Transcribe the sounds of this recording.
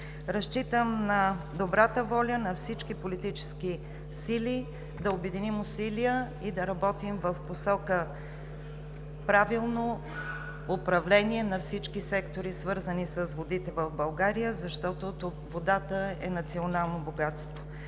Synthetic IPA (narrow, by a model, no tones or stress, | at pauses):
ɾɐʃt͡ʃit̪əmnɐ | d̪obɾat̪əvɔlʲənɐfsit͡ʃkipolit̪it͡ʃɛ̥ski | silʲi | d̪ɐobɛd̪inimʊsilijə | id̪ɐɾɐbɔt̪imvəfposɔkə | pɾavilˠno | ʊpɾɐvlɛniɛnɐfsit͡ʃkisɛkt̪oɾisvɤɾzənisəsvod̪it̪ɛvəvbɐlˠɡaɾijəzɐʃt̪ɔt̪ot̪o | vod̪at̪əɛ̰nɐt̪sionalˠnoboɡat̪st̪vo̥